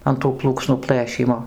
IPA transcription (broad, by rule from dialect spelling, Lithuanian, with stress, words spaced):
ɐn tuː ˈplˠuːksnuː ˈplˠɘʃʲiːmoː